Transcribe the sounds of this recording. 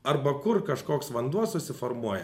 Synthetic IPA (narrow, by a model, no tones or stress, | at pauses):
ɐɾbɐkʊɾkɐʃkoːksʋɐnd̪uɔssʊsʲɪfɔɾmuɔjɛ